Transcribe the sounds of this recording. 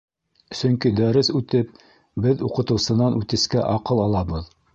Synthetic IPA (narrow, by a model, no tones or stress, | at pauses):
sɵŋkid̪æɾɘsʉt̪ɘp̚ | bɘðuqɤ̆t̪ɤ̆wsɤ̆nɑnʔʉt̪ɘ̆skæʔɑqɤlˠɑlˠɑbɤð